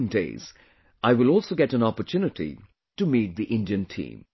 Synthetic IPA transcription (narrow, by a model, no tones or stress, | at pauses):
ndḛɪz̥ | ʔaɪwɪlɔlˠsoʊɡɛɾə̃nɑpə˞tʰunɨtḭ | tɨmit̪̚ðiʔɪ̃ndiɨ̃ntʰḭ̃ːm